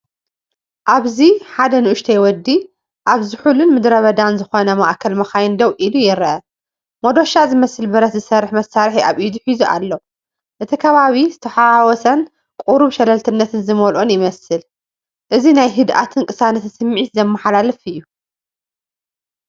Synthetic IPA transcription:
ʔaβziħad̪ɐnɨʔʊʃt̪ʰɐjwɔd̪ːi | ʔaβzɨħulunmɨd̪ɾɐβɐd̪anzɨxo̞nɐmaʔkʰɐlmɐxajɪnd̪ɐwʔilujɪɾʔɐ | mod̪o̞ʃazɨmɐsɨlbɐɾɐt̪zɨsɐɾɨħmɐsːaɾħiʔaβʔid̪ħizuʔa̰lːo | ʔɨt̪ʰikʰɐβaβizɨt̪ʰɐħawɔsɐn | kʼuɾuβʃɛlɐlt̪ʰɨnːɐt̪ʰɨnzɨmolʔonjɪmɐsɨl | ʔɨzinajɦɨd̪ʔa̰t̪ʰɨnkʼɨsanɐt̪ʰɨsɨmːʕit̪zɐmːɐħalalɨfɨjːu

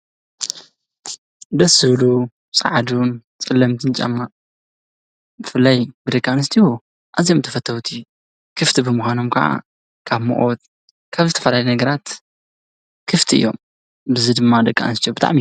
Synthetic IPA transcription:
d̪ɐsɨβlu | sʼa̰ʕd̪unt͡sʼɨlːɐmt̪ʰɨnt͡ʃʼa̰mːa | bɨfɨlːajbɨd̪ɐkʼːanɨst̪ʰihu | ʔazjomt̪ʰɐfɐt̪ʰːɐwut̪ʰi | kʰɨft̪ʰibɨmuxʷano̞mkʰɐ̰ʕa̰ | kʰaβmo̰ʔot̪̚ | kʰaβzɨt̪ʰɐfɐlalenɐɡɐɾat̪ | kʰɨft̪ʰiʔɨ̰jːo̞̰m | bɨzɨd̪ɨmːad̪ɐkʼːa̰nɨst̪ijobɨt̪ʰʼa̰ʕmi

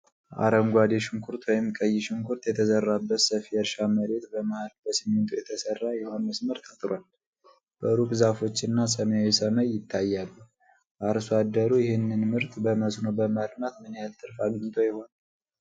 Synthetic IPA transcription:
ʔa̰ɾəŋɡʷad̪eʃɪŋkʰuɾt̪wɔjɪmkʼəjːɪʃɪŋkʰuɾt̪jɛt̪ʰəzərːabːət̪səfiəɾʃaməɾe̞t̪bəmahalbəsiment̪ʰujɛt̪ʰəsərːajɛhanmːəsməɾt̪ʰːət̪ʼɾwal | b̥əɾukʼzafo̞t͡ʃːɪnːasəmajajsəməjːɪt̪ʰːajːalːu | ʔaɾsad̪ːəɾujɪhɪnːɨnmɨɾt̪bəməsno̞bəmad̪mat̪mɨnjalt̪ʰʼːɨɾfaɡɨɲːɪt̪ʰojɪho̞na

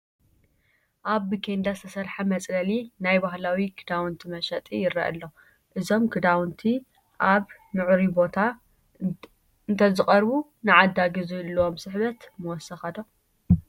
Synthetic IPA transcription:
ʔaβːɨkʰend̪ast̪ʰɐsɐɾħamɐt͡sʼlɐlinajbaɦlawiɡʰɨd̪awnt̪ʰimɐʃɐt̪ʼijɪɾɐ̰ʔɐ̰lːo̞ | ʔɨzo̞mɡɨd̪awnt̪ʰi | ʔaβnɨʕuɾibo̞t̪ʰa | ɨnt̪ʰɐzɨχʼɐɾbunɨʕad̪aɡɨzujɛlːɐwomsɨħβɐt̪mɐwɔsɐxɐt̪ʰo

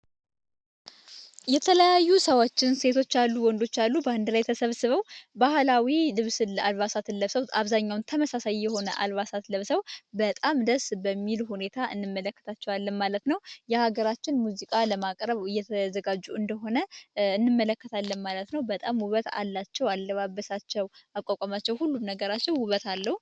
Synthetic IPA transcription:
jɛt̪ʰələjajːusəwot͡ʃːɪnse̞t̪ʰo̞t͡ʃːalːuwɔnd̪o̞t͡ʃːalːubəand̪ɨlajt̪ʰəsəβsɨβəwbahlawilɨβsɨlalβasat̪ʰɨnləβsəwaβzaɲːawnt̪ʰəməsasajːɛho̞nəʔa̰lβasat̪ləβsəwbət̪ʼamd̪əɾsbəmːilhune̞t̪ʰaʔɨnːɨmːələkːə̥t̪ʰat͡ʃːɛwalːənmalət̪nəwjɛhaɡəɾat͡ʃːɪnmuzikʼaləmakʼɾəβɨjːɛt̪ʰəzəɡad͡ʒːuɨnd̪əɦo̞nəɨnːɨmːələkːət̪ʰalːənmalət̪nəwbət̪ʼamhuβət̪a̰lːat͡ʃːɛwalːəβabːəsat͡ʃːɛwakʷʼakʼamat͡ʃːɛwhulːumnəɡəɾat͡ʃːɛwhuβət̪alːəhu

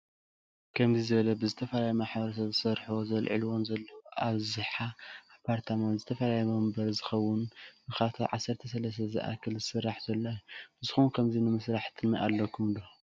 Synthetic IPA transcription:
kʰɐmzizɨβɐlɐbɨzɨt̪ʰɐfɐlajumaħbɐɾɐsɐβzɨsɐɾħuwozɐlʕḭlwonzɐlːɐwoʔaβzɨħaapʰːaɾt̪ʰamanzɨt̪ʰɐfɐlajɛmɐmbɐɾzɨxɐwːʊnbɨxat̪ʰaʕasːɐɾt̪ʰɐs̬ɐlɐs̬t̪ʰɐzɨ̰ʔa̰kʰɨlzɨsɨrːaħz̥ɐlːobɨzɨxunkʰɐmzinɨmɨsɾaħt̪ʰɨnaʔa̰lːɐkʰumd̪o

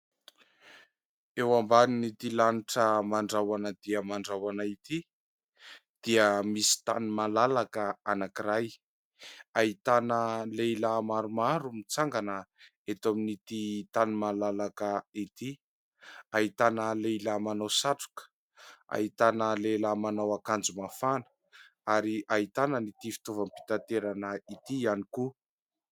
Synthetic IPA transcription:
ewambaninit̪ilaniʈ͡ʂəmaɳɖ͡ʐawanəd̪̥iəmaɳɖ͡ʐawanait̪i | d̪̥iəmisi̥t̪animalalakəanakiɾaj | ait̪anəlejlamaɾumaɾumit͡saŋɡanə | et̪ominit̪it̪animalalakəit̪i | ait̪anəleilamanosaʈ͡ʂu̥kə̥ | a̰it̪anəlelamanawakand͡zumafanə̥ | aɾiʔait̪anənit̪ifi̥t̪ovampi̥t̪at̪eɾanəit̪ianiku

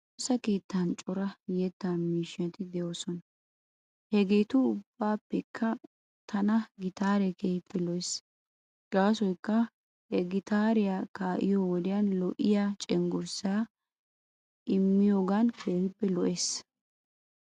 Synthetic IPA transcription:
t̪osːɐke̞ːt̪ːɐnt͡ʃʼɔɾɐjɛt̪ːanmiːʃɐt̪ɪd̪ɛjoːsɔnɐ | hɛɡe̞ːt̪ʊʊb̥ːaːpːɛkʰːɐ | t̪ʰɐnɐɡɪt̪aːɾɛkejɪpːɛlɔʔes | ɡaːsɔjkːɐ | ɛɡɪt̪aːɾɪjakaːʔɪ̰jowɔd̪ɪjɐnlɔʔɪjaːt͡ʃʼɛŋɡɔɾsaː | ʔɪmːɪjo̞ːɡankʰeːhɪpːɛlɔʔeːs

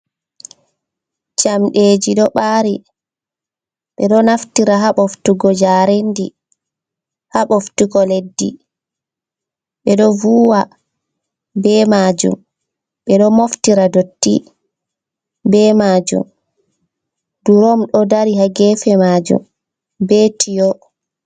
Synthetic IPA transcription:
d͡ʒamɗeːd͡ʒiɗɔɓaːɾi | ɓɛɗɔnaftiɾaɦaɓoftuɡɔd͡ʒaːɾendi | haɓoftuɡɔledːi | ɓɛɗɔvuːwa | bɛmad͡ʒṵm | ɓɛɗɔmoftiɾadotːi | bɛmad͡ʒṵm | d̥uɾɔmɗɔdaɾiɦaɡɛːfɛmad͡ʒṵm | bɛtʰijɔ

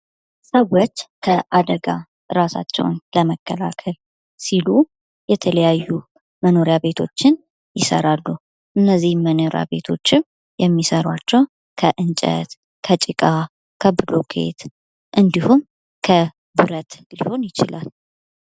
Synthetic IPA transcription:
səwot͡ʃːkʰəʔad̪əɡa | ɾasa̰t͡ʃːɛ̰wnləməkːəlakʰəl | silu | jɛt̪ʰələjajːu | məno̞ɾjaβe̞t̪ʰo̞̰t͡ʃːɪn | jɪsə̰ɾalːu | ʔɨnːəzːihmːənoɾja̰βe̞t̪ʰo̞̰t͡ʃːɪm | jɛmːisəɾwat͡ʃːɛw | kʰəʔɨnt͡ʃʼə̰t̪ | kʰət͡ʃʼɪkʼa | kʰəbɨlokʰe̞̰t̪ | ʔɨnd̪ihum | kʰə | bɨɾət̪liho̞njɪt͡ʃɪlal

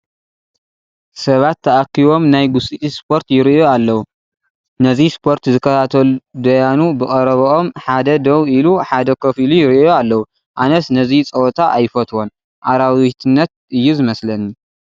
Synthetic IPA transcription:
sɐβat̪ʰːɐʔakːiβo̞mnajɡusʼitʼispʰo̞ɾt̪jɪɾioalːɐwu | nɐzispʰo̞ɾt̪zɨkʰːɐt̪ʰat̪ʰɐlud̪ɐjanubɨkʼɐɾɐβɐomħad̪ɐd̪ɐwiluħad̪ɐkʰofilujɪɾijoalːɐwu | ʔanɐsnɐzit͡sʼɐwt̪ʰaʔa̰jfɐt̪ʰwo̞n | ʔaɾawit̪ʰɨnːɐt̪̚ʔɨjːuzɨmɐslɐni

